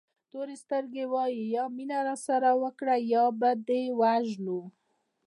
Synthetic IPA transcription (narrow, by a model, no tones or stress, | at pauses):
t̪oɾest̪əɾɡewɑjijɑminaɾasaɾawəkɽajɑbad̪ewaʒnu